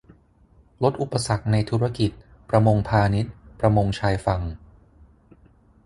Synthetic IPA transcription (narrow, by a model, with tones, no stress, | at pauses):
lo˦˥t̪̚ʔu˨˩pːa˧sa˨˩k̚na˧jt̪ʰuː˦˥ɾa˧ki˨˩t̪̚ | pɾa˧mo˧ŋpʰaː˧ni˦˥t̪̚pɾa˧mo˧ŋt͡ɕʰaː˧jfa˧ŋ